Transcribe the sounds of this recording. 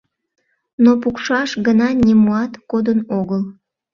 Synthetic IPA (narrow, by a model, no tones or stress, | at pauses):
nopukʃɑʃɡənɑnʲimuɑt̪kod̪ənoɣəl